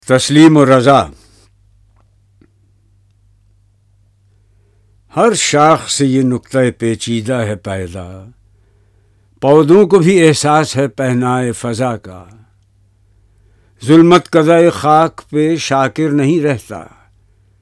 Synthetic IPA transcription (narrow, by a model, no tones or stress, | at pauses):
t̪ɐsliːmoɾɐzaː | hɐɾʃaːxsejenʊqt̪aepeːt͡ʃiːd̪aɦɛpɛːd̪a̰ | pɔːd̪õkobʱieɦsaːsɦɛpɛɦnaːefɐzaka̰ | zʊlmət̪kɐd̪aːexaːkpeʃaːkɪɾnɐɦĩɾɛɦt̪a̰ː